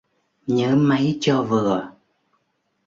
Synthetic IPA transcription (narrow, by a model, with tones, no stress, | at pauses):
ɲɨ˧˦˥ma˨˦jt͡ɕɔ˧vɨ˨˩ə